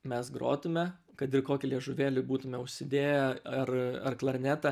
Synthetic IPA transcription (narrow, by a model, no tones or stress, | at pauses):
mʲɛsɡɾo̰ːt̪ʊmʲɛ | kɐt̪ɪrkoːkʲɪlʲiɛʒʊʋʲeːlʲɪbuːt̪ʊmʲɛʊʃʲsʲɪd̪ʲeːjɛɐrɐrklˠɐɾʲnʲæt̪ɐ